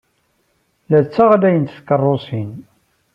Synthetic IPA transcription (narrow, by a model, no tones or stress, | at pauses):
læt͡sːaʁalæjənt̪θkərˤːosin